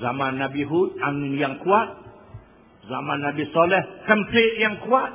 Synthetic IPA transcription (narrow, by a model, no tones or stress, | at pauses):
zamanːabiɦut̪̚aŋɪnjaŋkuat̪̚ | zamanːabisɔlɛhkəmpɪʔ̚jaŋkuat̪̚